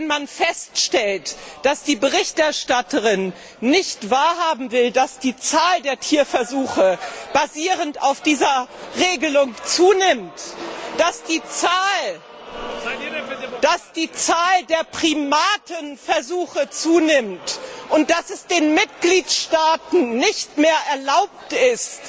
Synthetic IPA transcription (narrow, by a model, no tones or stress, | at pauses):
nmanfɛstʃtɛltd̥asd̥iːbəʁɪçtʔɛɐʃtatəʁɪnː | ɪçtv̥aːɐɦaːbm̩vɪldasd̥iːt͡saːldeːɐtʰiːɐfɛɐzuːxəb̥aziːʁəntaʊfd̥iːzɐʁeːɡəlʊŋt͡suːnɪmtd̥asd̥iːt͡saːl | d̥asd̥iːt͡saːldeːɐpʁ̥imaːtʰənfɛɐzuːxət͡suːnɪmtʔʊnt̚d̥asɛsd̥eːnmɪtɡ̥liːtʃtaːtn̩ːɪçtmeːɐɛɐlaʊp̚tɪst